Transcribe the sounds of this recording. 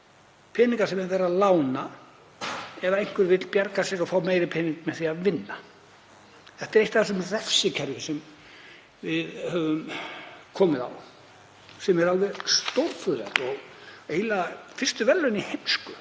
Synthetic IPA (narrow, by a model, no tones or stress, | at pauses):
pʰɛːniŋkaɾ̥sɛmɛɾvɛːɾaðlaːwna | ɛðaejŋ̥kvɪɾvɪt̪lpjaɾkasjɛɾɔfaːwmeːjɾɪpʰɛːniŋkmɛðθiaðvɪnːa | θɛht̪ɛɾejht̪aθas̬ɛmrɛfsɪcʰɛɾjɪsɛm | vɪðhœvʏmkʰɔːmɪða̰w | sɛmɛɾalvɛðst̪owlfʏðɛ̰t̪ɔɣejlafɪr̥st̪ʏvɛlːʏnihejmskʏ